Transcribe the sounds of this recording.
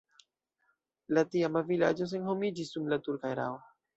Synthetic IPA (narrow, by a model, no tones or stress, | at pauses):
latiamavila̰d͡ʒos̬enhomid͡ʒisːumlatuɾkajɾa̰wo